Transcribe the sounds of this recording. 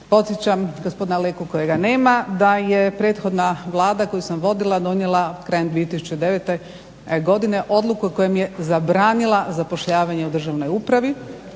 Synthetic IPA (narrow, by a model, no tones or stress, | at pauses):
po̞t̪sjet͡ɕamɡospo̞d̪inalekuko̞jeɡane̞ːmad̪aje̞pɾe̞ːt̪xo̞d̪naʋlˠaːd̪ako̞jusamʋo̞d̪ilˠad̪o̞njelˠakɾaːjemd̪ʋiːet̪isu̥t͡ɕed̪e̞ʋet̪e̞ | ɡo̞d̪ine̞ʔo̞d̪lˠukuko̞jemije̞zabɾaːnilˠazapo̞ʃʎaːʋaɲe̞ud̪r̩ʒaʋno̞juːpɾaʋi